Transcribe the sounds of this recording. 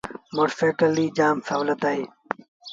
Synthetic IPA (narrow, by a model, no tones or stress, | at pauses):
moːʈfeːkəlːiːd͡ʒaːmsaːʋlət̪aːɦeː